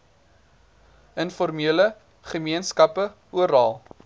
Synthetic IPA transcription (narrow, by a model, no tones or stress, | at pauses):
ənfɔrmiələ | χəmiənskɐpə | uəɾɑːlˠ